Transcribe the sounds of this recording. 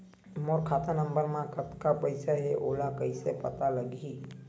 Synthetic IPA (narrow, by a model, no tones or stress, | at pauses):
moːɾkʰaːt̪anə̃mbəɾmãkət̪kapəɪsaɦeʔoːlakəɪsepə̰t̪aləɡi